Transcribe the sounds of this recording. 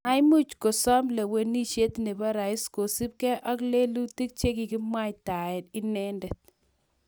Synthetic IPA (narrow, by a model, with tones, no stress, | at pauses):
a˦mu˦t͡ʃko˨sɔ˦mle˨we˨ni˦ʃe˦tne˨ba˦ɾa˨ɪ˦sko˨si˦p̚kɛ˦ʔɔ˦kle˦lu˦ti˦k̚t͡ʃe˦ki˨kɪ˦mwa˦jta˨ɛ˨tɪ˦nɛ˦ndɛ˨t̚